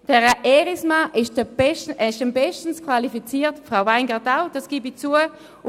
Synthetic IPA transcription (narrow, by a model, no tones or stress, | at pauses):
d̥ɛʁəʔɛʁismaʔɪʃdəb̥ɛʃtɛɪʃdɛmbɛʃtən̩skʰvalifit͡siːtfʁaʊvaɪnɡadaʊd̥ɑsɡ̥iːbit͡suə